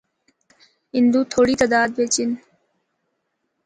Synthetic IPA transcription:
ɦind̪ut̪ʰoɽit̪əd̪aːd̪̚bet͡ɕin

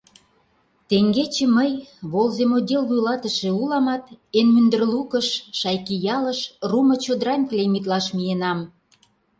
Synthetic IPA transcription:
t̪eŋɡet͡ɕĕməjβolzemod̪ʲelvujlɑt̪ə̆ʃĕulɑmɑt̪enmynd̪ə̆rlukə̆ʃʃɑjkijɑləʃrumɤ̆t͡ɕod̪ɾɑnʲklʲemit̪̬lɑʃmijenɑm

